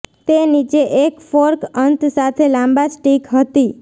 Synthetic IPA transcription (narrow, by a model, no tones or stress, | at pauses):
t̪enid͡ʒeʔekfoɾkənt̪sat̪ʰelãmbasʈikɦət̪i